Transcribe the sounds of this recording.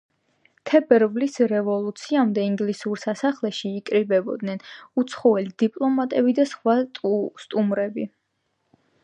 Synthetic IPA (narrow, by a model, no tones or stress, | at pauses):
t̪ʰɛbɛɾvlisɾɛvɔlˠut̪sʰiamd̪ɛiŋɡlisuɾsasaχlɛʃiːkʼɾibɛbɔ̰d̪nɛnut̪sʰχɔvɛlid̪ipʼlˠɔmat̪ʼɛbid̪asχwast̪ʼumɾɛbi